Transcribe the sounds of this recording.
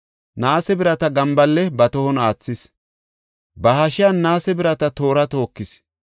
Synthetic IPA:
naːsɛbɪɾɐt̪ɐɡɐmbɐlːɛbɐt̪ɔhɔnaːt͡sːɪs | bɐhɐʃɪjanːaːsɛbɪɾɐt̪ɐt̪o̞ːɾɐt̪o̞ːkːɪs

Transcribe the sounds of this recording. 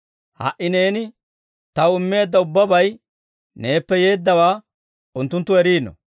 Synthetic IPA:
hɐ̰ʔɪne̞ːnɪ | t̪ɐwɪmːe̞ːd̪ːɐʊbːɐbɐj | ne̞ːpːɛje̞ːd̪ːɐwaː | ʊnt̪ːʊnt̪ːʊɛɾiːnɔ̰

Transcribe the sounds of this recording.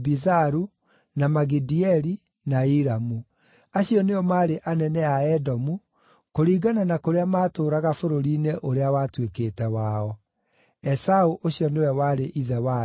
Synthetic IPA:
bizaɾu | namaɣidiɛɾi | naiɾamu | aɕiɔneɔmaːɾeʔanɛnɛaɛdɔmu | koɾiːɡananakoɾeamaːtoːɾaɣafoɾoɾineʔoɾeawatwekeːtɛwaɔ | ɛsauʔoɕiɔnewɛwaɾeʔiðɛwa

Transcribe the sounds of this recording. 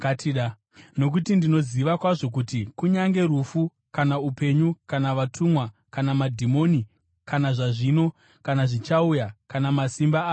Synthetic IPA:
atiɗa | no̞k̬utindino̞ziʋakwaʐo̞k̬utikuɲaŋɡe̞ɾufu | kanaupe̞ɲukanaʋatʰumwa | kanamadʱimo̞ni | kanaʐaʐino̞ | kanaʐit͡ʃaujakanamasimbaːo

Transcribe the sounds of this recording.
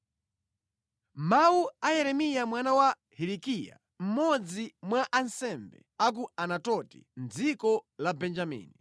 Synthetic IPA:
mawuajɛɾɛmijamwanawa | hiɾikija̰ | m̩mɔd͡zimwaʔansɛmbɛ̰ | ak̬uanatɔti̥̰nd͡zikɔlabɛnd͡ʒamḭːni

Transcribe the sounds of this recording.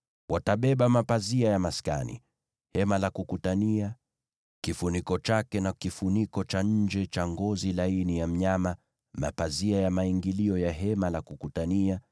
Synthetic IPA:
wʔataɓɛɓamapaziajamaska̰nḭ | hɛmalakukutania | kifunikɔt͡ʃakɛnakifunikɔt͡ʃaɲ̩d͡ʒɛt͡ʃaŋɡɔzilainijam̩ɲama | ma̰paziajamaiŋɡiliɔjaɦɛmalakukutania

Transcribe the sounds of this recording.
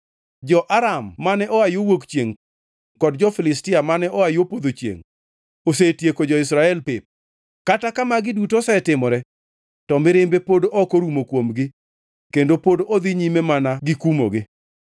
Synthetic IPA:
d͡ʒɔʔaɾamːanɛʔɔajowokt͡ʃjeŋ | kɔdd͡ʒɔfɪlɪstɪamanɛʔɔajopod̪ot͡ʃjḛŋ | osetjekod͡ʒɔɪs̬ɾaɛlpɪp̚ | katakamaɡɪdutosɛtɪmɔɾɛ | tɔmɪɾɪmbepodoɔkoɾumokwomɡɪ | kendopodood̪ɪɲimɛmanaɡɪkumo̰ɡɪ

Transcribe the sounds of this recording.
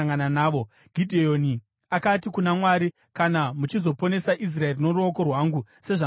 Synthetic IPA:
ŋɡananaːʋo̞ | ɡʱidʱejoni | akatikunamwaːɾi | kanamut͡ʃizo̞po̞ne̞saʔis̬rae̞rino̞ɾuoko̞rwaːŋɡu | se̞ʐa

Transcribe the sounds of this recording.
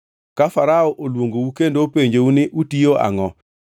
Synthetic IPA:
kafaɾaoʔolwoŋɡowukendopeɲd͡ʒounɪʔutioa̰ŋɔ

